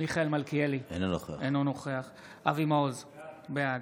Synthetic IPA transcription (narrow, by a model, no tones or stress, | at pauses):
miχaelmalkielienonoχeenonoχeaχ | ʔavimaozbead̪